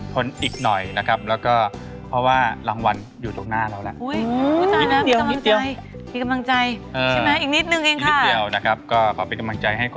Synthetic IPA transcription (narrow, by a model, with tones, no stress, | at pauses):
kʰo˧nʔiː˨˩k̚nɔ˨˩jna˦˥kʰa˦˥p̚lɛː˦˥wkɔː˥˩ | pʰɾɔ˦˥waː˥˩ɾaː˧ŋwa˧n | juː˨˩t̪ʰoː˨˩ŋnaː˥˩ɾa˧wlɛ˦˥ʔʔu˦˥˩jːu˧˩t̪a˧˦˥a˥˦˥d̪i˨ə˧ka˧mlŋdi˧wj | miː˧˩ka˧mla˧ŋt͡ɕa˧jʔɤː˧t͡ɕa˥˩mɛ˦˥ʔiː˨˩k̚ni˦˥t̪̚nɯ˧ŋʔeː˧ŋkʰi˦a˥˩di˧əəwna˦˥kʰa˦˥p̚kɔː˥˩kʰɔː˩˦pa˧nka˧mla˧ŋt͡ɕa˧jɦa˥˩jkʰ